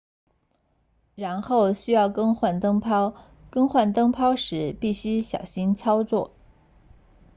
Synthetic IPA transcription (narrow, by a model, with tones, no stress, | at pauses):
ɻa˧˥nxo˥˩ʊɕy˥jɑ˥˩ʊkɤ˥ŋxwa˥˩nt̪ɤ˥ŋpʰɑ˥ʊ | kɤ˥ŋxwa˥˩nt̪ɤ˥ŋpʰɑ˥ʊʂɻ̩˧˥pi˥˩ɕy˥ɕjɑ̰˨˩ʊɕi˥nt͡sʰɑ˥ʊt͡swɔ˥˩